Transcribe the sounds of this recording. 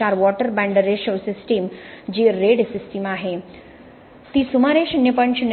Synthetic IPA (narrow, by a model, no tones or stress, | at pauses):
aɾʋɔʈəɾbɛ̃ɳɖɾeʃosisʈiːmd͡ʑiɾeɽsisʈimaɦe | t̪iːsumaɾeɕinjəpəɳɕin